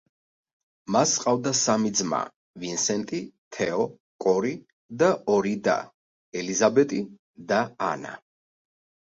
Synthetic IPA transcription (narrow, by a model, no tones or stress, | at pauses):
masqʼavd̪asamid̪zma̰ | vinsɛnt̪ʼit̪ʰɛɔ | kʼɔɾi | d̪aɔɾid̪a̰ | ɛlizabɛt̪ʼi | d̪a̰ːna̰